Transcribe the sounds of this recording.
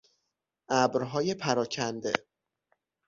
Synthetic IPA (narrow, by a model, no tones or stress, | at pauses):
ʔæbɾɦɒːje̞pʰæɾɒːcʰænd̪e̞̰